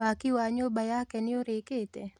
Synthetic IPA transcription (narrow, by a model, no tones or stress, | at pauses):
akɪwaɲobajakɛnɪoɾeket̪ɛ